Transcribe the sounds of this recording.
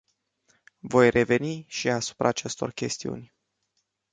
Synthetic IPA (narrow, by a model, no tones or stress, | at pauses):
vo̞jrʔe̞ve̞niʃiasu̥pɾaːt͡ʃe̞st̪o̞̰rkʲe̞st̪iṵnʲ